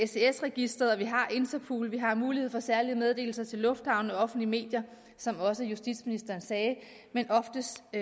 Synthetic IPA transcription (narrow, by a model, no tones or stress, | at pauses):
ese̝esʁɛɡ̥isd̥ʁɐðˠɒʋiɦɑ̈ʔe̝nt͡sɐpʰṵːlʋiɦɑ̈muːlihe̝̰fɒ̽sæɐliəmeð̞ˠd̥e̝̰ːl̩sɐt͡sʰe̝lːɔ̽fd̥hɑ̈ʊnəɒɒ̽fn̩lime̝̰ːd̥jɐ | sɒ̽mɒ̽səjusd̥id̥sminisd̥ɐːnsɛː | menʔɒ̽fd̥əs